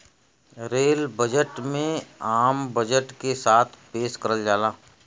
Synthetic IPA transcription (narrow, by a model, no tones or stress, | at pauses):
ɾeːlbəd͡ʒəʈmẽaːmbəd͡ʒəʈkesaːt̪ʰpeːskəɾəld͡ʒaːlaː